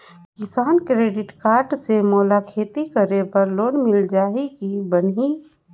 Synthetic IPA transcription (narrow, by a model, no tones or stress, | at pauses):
kɪsaːnkɾeːɖɪʈkaːɾɖsemɔːlakʰeːt̪ikəɾepəɾloːnmɪld͡ʒaːɦikibəni